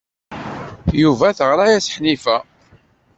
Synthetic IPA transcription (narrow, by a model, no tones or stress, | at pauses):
juvæθəʁɾajæsħnifæ